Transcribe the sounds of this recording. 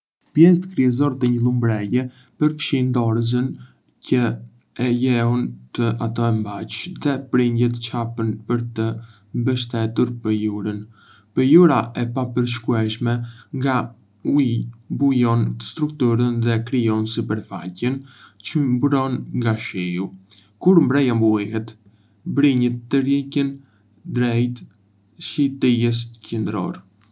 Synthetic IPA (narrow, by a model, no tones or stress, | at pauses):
pjɛs̬t̪kɾiɛzɔɾt̪əɲəlˠumbɾɛjɛ | pəɾfʃind̪ɔɾəz̬ən | cə | ɛjɛɦɔnt̪əat̪ɔɛmbat͡ʃðɛpɾind̪jɛt̪t͡ʃapənpəɾt̪ə | mbəʃt̪ɛt̪uɾpəjuɾən | pəjuɾaʔɛpapəɾʃ̬kuɛʃmɛŋɡa | uibujɔnst̪ɾukt̪uɾənðɛkɾijɔnsipəɾfa̰cənt͡ʃəmbɾɔnŋɡaʃɛju | kuɾmbɾɛjambuɛɦɛt̪ | bɾiɲət̪ːəɾjɛcən | d̪ɾɛjt̪ | ʃit̪ijɛs̬cənd̪ɾɔ̰ɾ